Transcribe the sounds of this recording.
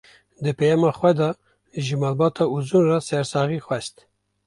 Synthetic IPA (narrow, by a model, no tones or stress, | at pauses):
d̪ɨpʰɛjɑmɑxwɛd̪ɑ | ʒɨmɑːlbɑːt̪ʰɑuzunrɑsɛɾsɑːɣixwɛst̪